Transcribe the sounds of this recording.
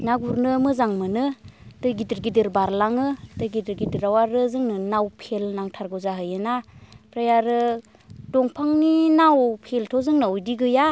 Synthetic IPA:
naɡuɾnɯmɯzaŋmɯnɯd̥ɯjɡidiɾɡidɯɾbaɾlaŋɯdɯjɡidɯɾɡidiɾawaɾɯzɯŋnɯnawpʰelnaŋtʰaɾɡɯwzaɦɯjɯnapʰɾajaɾɯ | dɔŋpʰaŋninawpʰeltʰɔzɯŋnɯojdiɡɯja

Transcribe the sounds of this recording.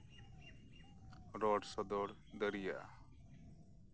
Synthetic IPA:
ɾɔɖsɔd̪ɔɽ | d̪əɾijaʔa̰

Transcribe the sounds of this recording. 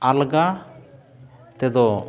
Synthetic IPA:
alɡa | t̪ɛd̪ɔ

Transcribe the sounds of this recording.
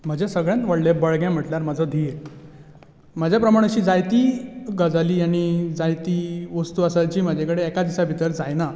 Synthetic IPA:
m̤əd͡ʑesəɡɭjãnʋəɽlebəɭɡjãm̤əʈljaɾməd͡zʱəd̪ʱie | m̤əd͡ʑʱjapɾəmaɽ̃et͡ɕiːd͡zajt̪iːɡəd͡zaliːaɽ̃id͡zajt̪iːʋəst̪uəsajt͡ɕiːm̤əd͡ʑʱekəɽeɛkad̪isabʱit̪əɾd͡zajna

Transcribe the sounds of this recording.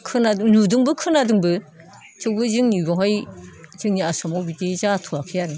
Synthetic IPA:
kʰɯnadɯŋnudɯŋbɯkʰɯnadɯŋbɯ | t͡ʃɯwbɯzɯŋniɡɔɦajzɯŋniasɔmɔwbitezatʰuakʰɯjaɾɯ

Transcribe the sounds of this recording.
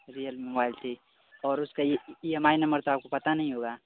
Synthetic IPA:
ɾijəlmobaːɪlt̪ʰi | ɔːɾʊskaemaːinɐ̃mbəɾt̪oaːp̚kopɐt̪anɐɦĩɦoːɡaː

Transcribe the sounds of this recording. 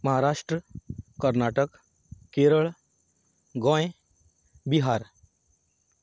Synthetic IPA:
məɦaɾaʂʈɾəkəɾnaʈək | keɾəɭ | ɡɔ̃j | biɦaɾ

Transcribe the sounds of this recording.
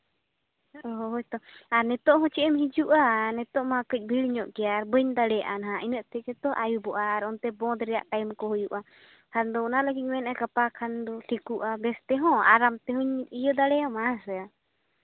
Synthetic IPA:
ɔɦɔɦt̪ɔaɾnɛt̪ɔʔɦɔ̃t͡ʃɛʔɛmhid͡ʒuʔanɛt̪ɔʔmakəc̚ˀbʱiɭɲɔʔkɛjaɾbəɲd̪aɽɛjaʔanaɦãinəʔt̪ɛɛt̪ɔʔajubɔʔaːɾɔnt̪ɛbɔ̃d̪ɾɛja̰ʔʈajmkɔɦɔjuʔa | kʰand̪ɔɔnalaɡic̚mɛnakapakʰand̪ɔʈʰikuʔabɛst̪ɛɦɔ̃a̰ɾamt̪ɛɦuɲijəd̪aɽɛjamasəa

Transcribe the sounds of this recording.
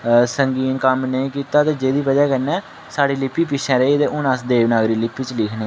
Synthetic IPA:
səŋɡiːnkəmnəĩːkiːt̪aːt̪eːd͡ʒeːd̪iːpəd͡ʒaːkənɛː | saːɽiːlɪpːiːpɪʃʰɛ̃ːɾəiːt̪eːʔʊnəsd̪eːʋnaːɡɾiːlɪpːiːt͡ʃlɪkʰnẽːɛ

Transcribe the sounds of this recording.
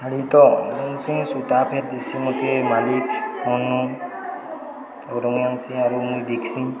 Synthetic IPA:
aɽit̪ɔunsĩŋsut̪apʰeɾ̚d̪isimɔt̪emalikhʰɔnːɔ | tɔɾɔŋjaŋsĩaɾumujd̪ikʰsĩ

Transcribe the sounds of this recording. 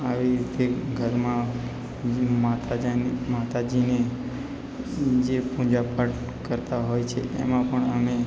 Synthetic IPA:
aʋiɾit̪ʰeɡʱəɾmã | mat̪ad͡ʒnmat̪ad͡ʒine | d͡ʒepũd͡ʒapaʈ | kəɾt̪aɦojt͡ʃʰḛʔḛmãpəɳəme

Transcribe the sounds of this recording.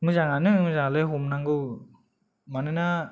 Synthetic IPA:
mɯzaŋanɯmɯzaŋalɯjɦumnaŋɡɯw | manɯna

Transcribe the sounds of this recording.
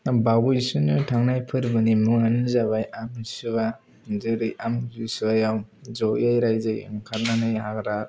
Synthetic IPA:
bawujsɯnɯtʰaŋnajpʰɯɾbɯnimuŋanɯzaβajʔamsɯba | zɯɾɯjʔamɡisɯajawzɔjajɾajzajɯ̰ŋkʰaɾ̚nanajhakɾa

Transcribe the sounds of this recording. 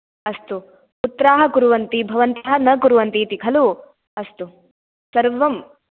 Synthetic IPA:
ɐst̪u | ut̪ːɾaːɦɐkuɾuʋɐnt̪ibʱɐʋɐnt̪ɐɦɐnɐkuɾuʋɐnt̪it̪ikʰɐlu | ɐst̪u | sɐɾʋɐm

